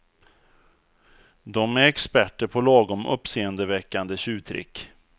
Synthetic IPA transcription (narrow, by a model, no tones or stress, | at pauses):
d̪ɔmæɾɛkspæʈːəɾpʰɔlɑːɡɔmʔɵ̰pːseːənd̪əvɛkːand̪əɕʉ̟ːt̪ʰɾɪ̰kː